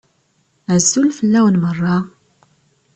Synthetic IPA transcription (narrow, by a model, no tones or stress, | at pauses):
æzːulfəlːæwənmərˤːɑ